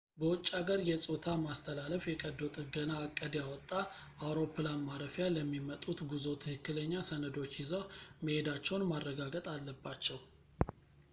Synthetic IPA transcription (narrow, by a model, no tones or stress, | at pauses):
bəwɔt͡ʃʼːaɡəɾjɛsʼot̪ʰamast̪ʰəlaləfjɛkʼəd̪ːot̪ʼɡənaːkʼːəd̪jawɔt̪ʼːa | awɾo̞pːɨlanmaɾəfjaləmːimət̪ʼut̪ɡuzo̞t̪ʰɨhɨkːɨləɲːasənəd̪o̞t͡ʃːjɪzoməhed̪at͡ʃːɛwnmarːəɡaɡət̪ʼalːəbːat͡ʃːɛw